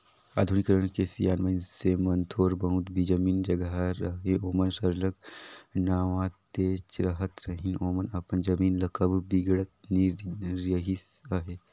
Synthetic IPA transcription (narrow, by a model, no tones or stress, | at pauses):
a̰ːd̪ʱunikɾəɳkesijaːnmɐinsemɐnt̪ʰoːɾbɐ̃ũt̪bʱid͡ʒəmiːnd͡ʒɐɡɦaɾɐɦeoːmənsəɾləknaːʋãt̪eːt͡ʃɾɐɦət̪ɾɐɦinoːmənɐpənd͡ʒɐmiːnlɐkəbbiɡɽət̪niɾjəɦis | ɐɦeː